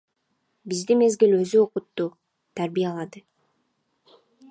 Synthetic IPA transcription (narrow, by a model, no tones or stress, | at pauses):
bizd̪ime̞zɡilø̞zyo̞qʊt̪ːu | t̪ʰæɾbijalˠɑd̪ɯ